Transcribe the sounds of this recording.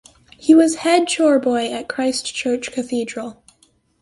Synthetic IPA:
hiwʌz̥hɛd̚ʃɔɹbɔɪɨt̚kʰɹ̥aɪst͡ʃʰɜ˞t͡ʃkʰɨθidɹəl̩ˠ

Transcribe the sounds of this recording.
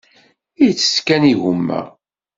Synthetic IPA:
ijt͡sːə̥skæniʝumːə̰ʁ

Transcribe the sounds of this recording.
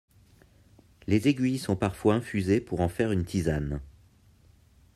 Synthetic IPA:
lezeɡʲɥijsɔ̃paʁfwaɛ̃fyzepuʁɑ̃fɛʁynt̪ʰizan

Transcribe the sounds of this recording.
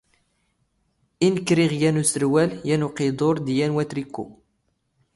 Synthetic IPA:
inkːɾiʁjænusəɾwæljænuqed̪ˤoɾˤd̪jænwæt̪ɾikːṵ

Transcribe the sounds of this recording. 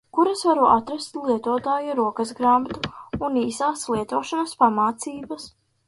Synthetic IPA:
kuɾasvaɾuʔat̪ɾast̪lˠiɛt̪uɔt̪aːjaɾuɔkazɡɾamt̪uːniːsaːslˠiɛt̪uɔʃanɐspamaːt̪siːbɐs

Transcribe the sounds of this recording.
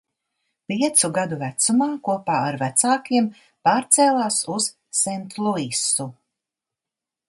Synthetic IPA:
pʲiɛt̪suɡad̪uvæt̪sumaːkuɔpaːaɾvæt̪saːkiɛm | paːɾt̪sɛːlˠaːsuz̥ | sɛnt̪lˠuisu

